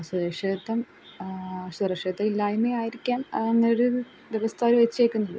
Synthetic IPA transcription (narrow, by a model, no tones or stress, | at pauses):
ɐsɐd̪eːʂeːt̪ːɐm | sɐd̪reʂet̪ːɐilːaːjumeːaːjiɾikʲːaːmenːɐjoɽɨ | d̪eʋɐst̪ʰaːɾuʋet͡ɕːekʲːunːɐðɨ̰